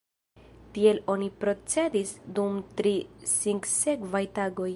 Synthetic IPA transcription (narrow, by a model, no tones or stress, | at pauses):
tie̞lo̞nipɾo̞t͡se̞disdumtɾisiŋkse̞kvajtaɡo̞j